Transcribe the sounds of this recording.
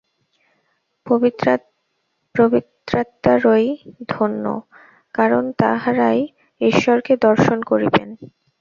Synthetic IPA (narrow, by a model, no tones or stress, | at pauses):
oi | pɾobit̪ɾat̪ːaɾojd̪ʱonːo̰ | kaɾont̪a̰ɦaɾaj | iʃːɔɾked̪ɔɾʃonkoɾiben